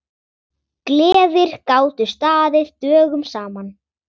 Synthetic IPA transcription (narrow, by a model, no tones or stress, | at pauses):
klɛːvɪɾ̥kaːwt̪ʏ̥st̪aːðɪð̥t̪œːɣʏmsaːman